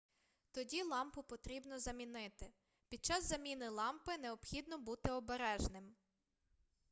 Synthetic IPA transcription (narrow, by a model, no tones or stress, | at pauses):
t̪ɔdʲilˠɑmpʊpɔt̪ɾʲibnɔzɐmʲinɪt̪ɪ | pʲid̪̚t͡ʃɑzːɐmʲinɪlˠɑmpɪneɔbxʲid̪nɔbut̪ɪɔbeɾɛʒnɪm